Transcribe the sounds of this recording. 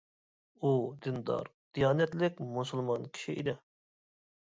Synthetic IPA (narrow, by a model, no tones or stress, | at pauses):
ud̪ɨnd̪ɑ̰ɾd̪̥ijɑːnɛt̪lɪkʲmusulˠmɑnkʲʰi̥ʃiʔḭd̪ɪ